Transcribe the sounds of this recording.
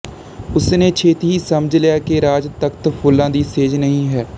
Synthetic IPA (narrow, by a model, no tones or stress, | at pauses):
ʊsneːt͡ʃʰeːt̪iːɦiːsəməd͡ʒlɪaːkeːɾaːd͡ʒt̪əkt̪pʰʊlːãːd̪iːseːd͡ʒnəɦĩːɦɛː